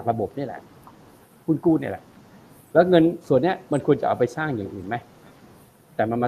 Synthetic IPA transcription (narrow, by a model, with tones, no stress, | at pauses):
aː˨˩k̚ɾa˧bo˨˩p̚ni˥˩ɐlɛ̰˨˩ʔ | kʰu˥˩˨nkuː˥˩ni˥˩lɛ̰˨˩ʔ | lɛː˦˥wŋɤ˧nsu˨˩ənːi˦˥ɐma˧nkʰu˧ənt͡ɕa˨˩ʔa̰˨˩wpa˧jsaː˥˩ŋjaː˨˩ŋʔɯː˨˩nma˦˥j | t̪ɛː˨˩ma˧nmaː˧